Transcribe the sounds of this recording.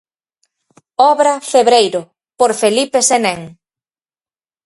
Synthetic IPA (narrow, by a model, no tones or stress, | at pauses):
ɔβɾɐfeβɾejɾʊ | poɾfelipeseneŋ